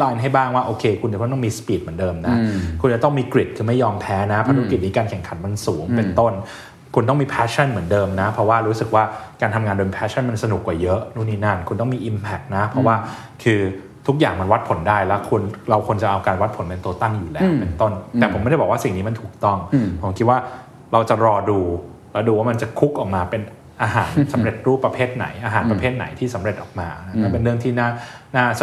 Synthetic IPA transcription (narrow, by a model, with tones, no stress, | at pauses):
laː˧jnɦa˥˩jbaː˥˩ŋwaː˥˩ʔoː˧kʰeː˧kʰu˧nt͡ɕ̪ɔ˥˩t̪miː˧spiː˨˩t̪̚m˩˦əndɤː˧mna˦kʰu˧nt͡ɕa˨˩t̪ɔ˥˩miː˧kɾi˨˩t̪̚kʰɯː˧ma˥˩jːɔː˧mpʰɛː˦˥na˦˥pʰa˧ɾki˨˩t̪̚niː˦˥kaː˧nkʰɛ˨˩ŋkʰa˨˩˦nma˧nsuː˩˦ŋpe˧nt̪o˥˩n | kʰu˧nt̪ɔ˥˩ŋmiː˧pʰɛː˦˥t͡ɕʰa˥˩nmɯ˩˦əndɤː˧mna˦˥pʰɾɔ˦˥waː˥˩ɾuː˦˥sɯ˨˩k̚waː˥˩kaː˧nt̪ʰa˧ŋaː˧ndoː˧m˧pʰɛː˦˥a˥˩nma˧nsa˧nu˨˩kːwaː˨˩jɤ˦˥ʔnuː˥˩niː˥˩na˥˩nkʰu˧nt̪ɔ˥˩miː˧ʔi˧mpʰɛ˨˩k̚na˦˥pʰɾɔ˦˥waː˥˩ | kʰɯː˧ | t̪ʰu˦˥k̚jaː˨˩ŋma˧nwa˦˥t̪̚pʰo˨˩˦ndaː˥˩jlɛ˦˥kʰu˧nɾa˧wkʰo˧nt͡ɕa˨˩ʔa˧wkaː˧nwa˦˥t̪̚pʰo˨˦npe˧nt̪u˧ət̪a˥˩ŋjuː˨˩lɛː˦˥wpe˧nt̪o˥˩nt̪ɛː˨pʰo˩˦m˥ɾjbɔ˨˩wa˥˩si˨˩ŋniː˦˥ma˧nt̪ʰuː˨˩k̚t̪ɔ˥˩ŋpʰo˩˦mkʰi˦˥t̪̚waː˥˩ | ɾa˧wt͡ɕa˨˩ɾɔː˧duː˧ | lɛ˦˥wduː˧waː˥˩ma˧nt͡ɕa˨˩kʰu˦˥k̚ʔɔː˨˩k̚maː˧pe˧n | ʔaː˧ɦaː˩˦nsa˨˩˦mɾe˨˩t̪̚ɾuː˥˩pɾa˧pʰeː˥˩t̪̚na̰˨˩˦jʔaː˧ɦaː˩˦npɾa˧pʰeː˥˩t̪̚na̰˩˦jt̪ʰiː˥˩sa˨˩˦mɾe˨˩t̪̚ʔɔ̰ː˨˩k̚maː˧na˦˥na˥˩pe˧nɾɯ˥˩əŋt̪ʰiː˥˩naː˦˥˩naː˥˩s